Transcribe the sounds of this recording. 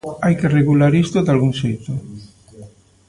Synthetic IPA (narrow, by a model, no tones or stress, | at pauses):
ajkereɣulaɾist̪od̪alɣuŋʃejt̪o